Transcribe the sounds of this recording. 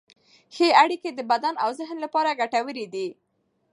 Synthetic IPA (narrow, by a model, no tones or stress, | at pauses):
xeaɽiked̪əbad̪anawzɪɦnlapɑɾaɡaʈawəɾid̪i